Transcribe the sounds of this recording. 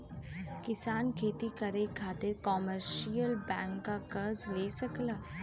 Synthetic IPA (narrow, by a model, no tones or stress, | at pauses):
kɪsaːnkʰeːt̪ikɐɾekʰaːt̪ɪɾkɔːməɾʃijəlbɛ̃ːŋkːakɐɾzleːsɐklaː